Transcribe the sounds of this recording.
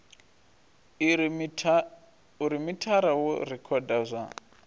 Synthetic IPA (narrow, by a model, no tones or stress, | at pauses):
uɾimitʰaɾawṵrikʰɔdazʷa